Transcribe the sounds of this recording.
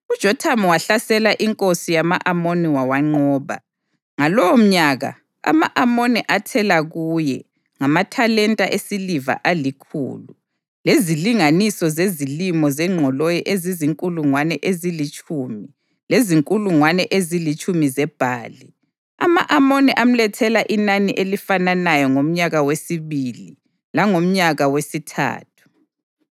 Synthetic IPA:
ud̥ʒ̥ʱɔtʰamɔwaɬasɛlaʔiŋkʼosijamaʔamoniwawaŋ͡ǀɔːβa | ŋalɔwom̩ɲaɣa̰ | a̰ma̰ʔamonɛʔatʰɛlaɣujɛ | ŋamatʰalɛntʼaʔesiliva̰ʔalikʰṵːlu | leziliŋanisɔzezilimɔzɛŋ͡ǃʱɔlojiʔeziziŋkʼuluŋwanɛʔezilit͡ʃʼuːmi | leziŋkʼuluŋwanɛʔezilit͡ʃʼumizɛb̥ʱaːli | a̰maʔamoniʔam̩lɛtʰɛlaʔinaniʔelifananajɔŋom̩ɲaɣawesiβilḭ | laŋom̩ɲaɣawesitʰa̰ːtʰu̥

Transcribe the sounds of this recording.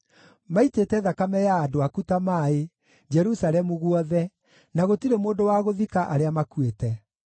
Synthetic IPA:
maitetɛðakamɛjaːdoakutamaːe | d͡ʒɛɾusaɾɛmuɣwɔðɛ | naɣotiɾemoːndowaɣoðikaʔaɾeamakwetɛ

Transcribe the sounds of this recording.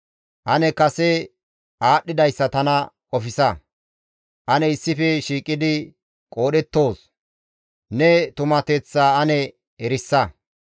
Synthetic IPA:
ʔɐnɛkɐsɛ | ʔaːɗːɪd̪ɐjsːɐt̪ɐnɐkʼɔfɪsɐ | ʔɐnɛɪsːɪfɛʃiːkʼːɪd̪ɪ | kʼo̞ːɗɛt̪ːo̞ːs | nɛt̪ʊmɐt̪ɛt͡sːaːɐnɛ | ɛɾɪsːɐ

